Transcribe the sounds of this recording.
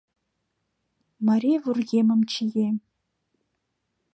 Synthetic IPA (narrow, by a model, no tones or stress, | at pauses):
maɾivurɡʲemɨmt͡ʃʰijem